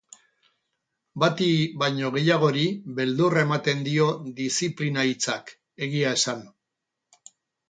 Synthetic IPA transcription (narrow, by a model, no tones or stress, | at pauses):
bat̪iβajɲo̞ɣ̞e̞jaɣ̞o̞ɾiβe̞ld̪ure̞mat̪e̞nd̪io̞ðisiplinait͡sak | e̞ɣiae̞san